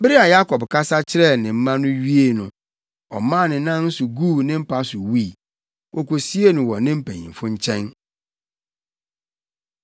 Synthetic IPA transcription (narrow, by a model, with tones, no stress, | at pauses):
bɪ˦ɾi˦a˨ja˦kʰɔ˨bkʰa˦sa˦t͡ɕʰɪ˦ɾɛ˦˨nɪ̃˨m̩˦mã˦nʊ̃˦ɥi˦e˨nʊ̃˨ | ɔ̰˨mã˦˨nɪ̃˨˦nã˦n̩˦sʊ˨ɡu˦˨nɪ̃˦m̩˦pʰa˦sʊ˨wi˦˨ | ko˨ko˨si˦e˦nʊ̃˨wɔ˨nɪ̃˦m̩˦pʰɛ̃˨ɲḭ̃˨m˨fʊ̃˦ɲ̩˦t͡ɕʰɛ̃˦n